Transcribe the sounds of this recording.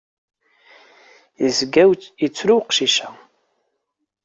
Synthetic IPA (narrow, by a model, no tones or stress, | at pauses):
jəzɡæwjət͡sːɾuwqʃiʃæ